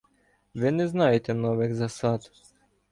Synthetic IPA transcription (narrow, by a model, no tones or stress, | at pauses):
vɛnɛznaɛt̪ɛnɔvɛkzasat̪